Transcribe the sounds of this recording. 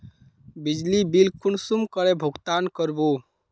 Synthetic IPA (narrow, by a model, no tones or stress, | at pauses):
bid͡ʒlibilkunsumkɔɾɛbʱʊɡt̪ankɔɾbu